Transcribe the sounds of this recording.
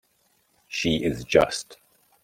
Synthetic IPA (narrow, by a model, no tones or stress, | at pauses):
ʃiɪzd͡ʒʌ̰st